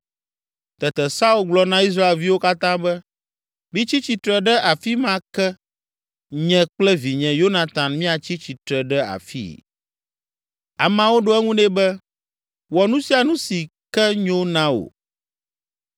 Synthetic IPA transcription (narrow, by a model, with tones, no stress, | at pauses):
t̪ɛ˨t̪ɛ˨sa˦u˦˨lɡ͡blɔ˨nã˦i˦s̬ɾa˦e˨lvi˦wo˦ka˦t̪ã˦bɛ˦ | mĩ˦t͡ɕi˦t͡ɕi˨t̪ɾɛ˨ɖɛ˦ʔa˨fi˦mã˦kɛ˦ | ɲɛ̃˦k͡plɛ˦vi˨ɲɛ̃˨jo˦nã˨t̪ã˨nmĩ˦a˨t͡ɕi˦t͡ɕi˨t̪ɾɛ˨ɖɛ˦a̰˨fḭ˦ | a̰˨mã˦wo˦ɖo˦ɛ˦ŋũ˦nɛ̃˦bɛ˦ | wɔ˨nũ˦si˦a˨nũ˦si˨ | kɛ˦ɲõ˦nã˦o̰˨